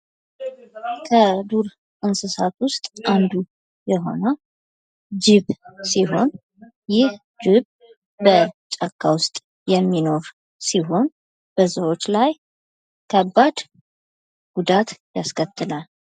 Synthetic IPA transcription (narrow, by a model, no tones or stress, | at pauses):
kʰəd̪uɾ | ʔɨnsɨsat̪wʊst̪ʼʔand̪u | jɛɦo̞̰nə | d͡ʒɪβsiɦo̞n | jɪh | d͡ʒɪβ | bət͡ʃʼakːawʊst̪ʼ | jɛmːino̞ɾ | siɦo̞n | b̥əzəwo̞t͡ʃːlaj | kʰəbːad̪ | ɡ̥ud̪at̪jaskʰət̪ʰːɨlal